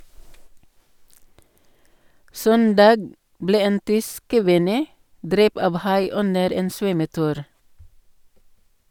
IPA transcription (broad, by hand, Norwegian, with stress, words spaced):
ˈsœndɑːɡ ˈbleː ˈeːn ˈtʏsk kəˈʋɪnə ˈdɾɛp ˈɑʋ ˈhɑɪ ˈʉnəɾ ˈeːn ˈsʋœməˌtʉːɾ